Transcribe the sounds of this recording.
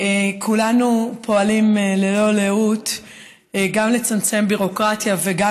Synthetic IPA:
kʰulanupʰo̞alimlelo̞leut | ɡamle̞t͡samt͡se̞mbiʁo̞kʁatjaveɡa

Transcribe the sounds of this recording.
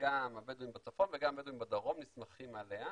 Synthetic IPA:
ɡamabeduimbat͡safo̞nveɡamabeduimbad̪aʁo̞mnismaχimalea

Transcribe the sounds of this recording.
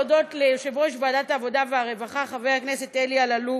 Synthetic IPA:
odo̞tleʃevʁoʃbadataːvo̞daveaʁe̞vaχaχavejhaknese̞telialalu

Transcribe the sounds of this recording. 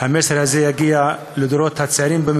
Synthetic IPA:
hameseɾhazejaɡia | lɪd̪oɾot̪hat͡seaɾimbɪm

